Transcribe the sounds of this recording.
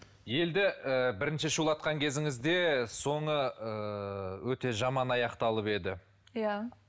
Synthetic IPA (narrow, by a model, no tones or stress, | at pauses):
je̞ld̪ɪəbɪɾɪnʃɪʃulˠɑt̪̚qɑŋkʲʰe̞zɪŋɪzd̪e̞so̞ɴəəwɵt̪e̞ʒɑmɑnɑjɑqt̪ɑlˠəpe̞d̪ɪ | ja